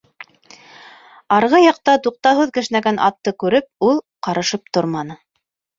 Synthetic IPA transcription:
ɑɾʁɤjɑq̚t̪ɑt̪uq̚t̪ɑɦʉðkɘ̆ʃnæɡænʔɑ̰t̪ːɤkʉɾɘp̚ulˠ | qɑɾɤ̆ʃɤp̚t̪oɾmɑnɤ

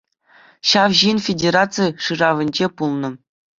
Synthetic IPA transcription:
ɕɑwʑinfʲedʲeɾat͡sɨjʂɯrɑʋʲɘ̆nʲd͡ʑepulˠnɤ̆

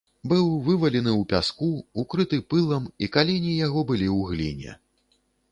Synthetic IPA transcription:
bɨwvɨvɐlʲɛnɨwpʲaskuukɾɨt̪ɨpɨlˠɐmikalʲenʲijaɣɔbɨlʲiwɣlʲḭnʲɛ̰

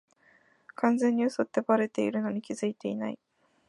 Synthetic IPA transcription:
kãnd͡zẽ̞ɲ̟ːiosot̪ːebaɾe̞t̪e̞iɾɯ̟no̞ɲ̟ikʲiz̥ɨit̪e̞ina̰i

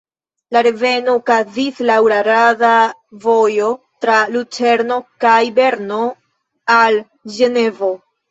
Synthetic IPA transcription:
laɾe̞ve̞no̞kazislawɾaɾadavo̞jo̞ | tɾalut͡ʃe̞ɾno̞kajbe̞ɾno̞ | al | ʒe̞ne̞vo

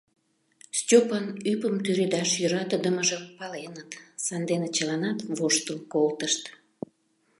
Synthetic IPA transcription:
stʲopənypəmt̪yɾyd̪ɑʃjøɾɑt̪əd̪əməʒəmpɑlenət̪sɑnd̪enet͡ɕəlɑnɑt̪voʃt̪əlkolt̪əʃt̪

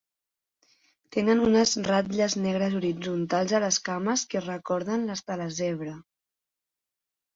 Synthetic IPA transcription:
t̪enənunəzrat̪ʎəznɛɣ̞ɾəzuɾid͡zunt̪alˠzələskaməskərəkɔɾðənləst̪ələzɛβɾə

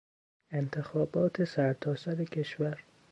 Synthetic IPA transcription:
e̞nt̪ʰe̞xɒːbɒːt̪ʰesæɾt̪ʰɒːsæɾekʰe̞ʃvæɾ

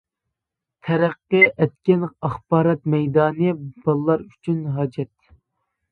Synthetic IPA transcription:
t̪ʰɛɾæqːɨʔɛt̪kʲɛnɑχbɑːɾɑt̪mɛjd̪ɑːnɨb̥ɑlˠːɑɾy̥t͡ʃʰynɦɑːd͡ʒɛt̪

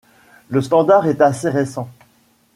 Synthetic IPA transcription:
ləst̪ɑ̃d̪aʁɛt̪aseʁesɑ̃

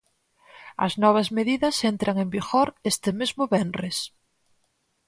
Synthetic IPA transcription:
ɐ̰znɔβ̞ɐzmeðiðɐsent̪ɾaŋembiɣoɾest̪ɪmezmʊβenres

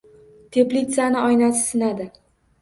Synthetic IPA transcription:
t̪ʰe̞plit̪sanɪɒjnasɪ̥sɪnad̪ɪ

